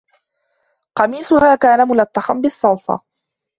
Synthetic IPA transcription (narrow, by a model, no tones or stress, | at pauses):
qɑmiːsʊhaːkaːnamʊlat̪ːɑxambɪsˤːɑlsˤɑ̰